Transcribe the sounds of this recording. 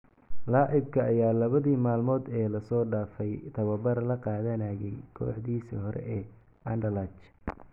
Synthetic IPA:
lɑːʕɪb̚kʰɐːjaːlɐβɐðiːmaːlmɔːd̪ɛːlɐsɔːɖaːfɛjt̪ʰɐβɐbɐrlɐqɑːðɐnaːjɛjkʰɔ̰ːħd̪iːsḭːɦɔɾʔɛ̰ʔɛː | ɐɳɖɐlaːt͡ʃ

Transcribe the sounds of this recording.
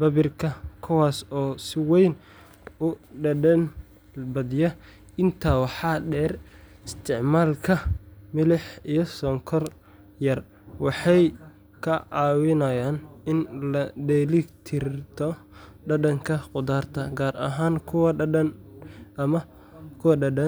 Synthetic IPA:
bɐβɪrkʰɐkʰʊwaːsɔːsɪwɛjn | ʊɖɐɖɐn | bɐðɪjɐ | ɪnt̪ʰaːwɑħɑːɖɛːr | ɪst̪ʰɪʕmaːlkʰɐmɪlɪħijɞsɔːŋkʰɔr | jɐr | wɑħɑj | kʰɐʔɑːwɪnɐjaːnɪnlɐɖɛlɪkt̪ʰɪrt̪ʰɔ | ɖɐɖɐŋkʰɐqʊd̪aːrt̪ʰɐɡaːrɐ̰ɦaːnkʰʊwɐnɐmɐ | kʰʊwɐɖɐɖɐ

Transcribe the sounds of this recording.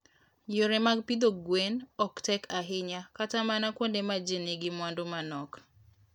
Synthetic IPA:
joɾemaɡpid̪oɡwenɔktɛkʰaɦɪɲakatamanakwondemad͡ʒeneɡɪmwandomanɔk

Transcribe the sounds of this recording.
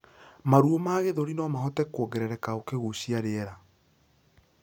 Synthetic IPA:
maɾuomaːɣeðoɾinɔmaɦɔtɛkwɔɡɛɾɛɾɛkaokeɣuɕiaɾeɛɾa

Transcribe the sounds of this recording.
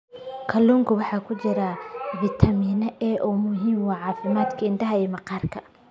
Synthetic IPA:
kʰɐluːŋkʰʊwɑħɑːkʰʊt͡ʃɪɾɐvit̪ʰɐmiːnɐʔɛːʔɔːmʊɦiːmwɑːʕɑːfɪmaːd̪kʰɐɪnd̪ɐɦɐɛːmɐqɑːrkʰɐ

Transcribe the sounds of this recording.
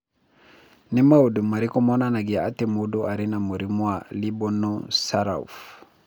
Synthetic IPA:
nimaodumaɾikɔmɔnanaɡiaatemodoʔaɾinamoɾimwalibɔnɔ̃saɾa̰ṵf

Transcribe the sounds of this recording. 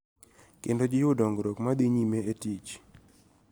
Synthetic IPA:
kendod͡ʒɪjʊdɔŋɡɾokmad̪iɲimeetit͡ʃ

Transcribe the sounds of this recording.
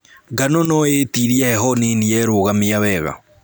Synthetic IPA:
ɡanonɔetiɾiahɛɦɔneniɛɾoɣamiawɛːɣa̰

